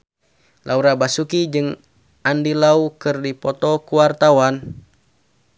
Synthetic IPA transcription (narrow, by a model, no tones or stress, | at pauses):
lʔauɾabasukid͡ʒɨŋ | andilaukɨrdipɔt̪ɔkuwart̪awan